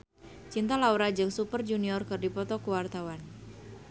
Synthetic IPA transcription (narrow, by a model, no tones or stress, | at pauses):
t͡ʃint̪alauɾad͡ʒɨŋsupərd͡ʒuniɔrkɨrdipɔt̪ɔkuwart̪awan